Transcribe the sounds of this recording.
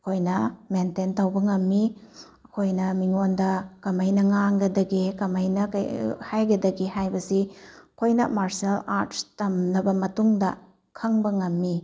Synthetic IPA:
ɐkʰojnɐmententɐwbɐŋɐmːi | ɐkʰojnɐmiŋondɐkɐmɐjnɐŋaŋɡɐdɐɡikɐmɐjnɐkɐ̰jhajɡɐdɐɡihajbɐsikʰojnɐ̰maɾsialaɾttɐmnɐbɐmɐtuŋdɐ | kʰɐŋbɐŋɐmːi

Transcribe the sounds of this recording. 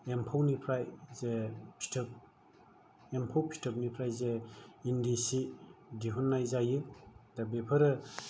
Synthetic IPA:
empʰawnipʰɾajzepʰi̥tʰɯp̚ | empʰawpʰi̥tʰɔp̚nipʰɾajzeːndisidiɦɔnːajzajɯd̥abepʰaɾɯ

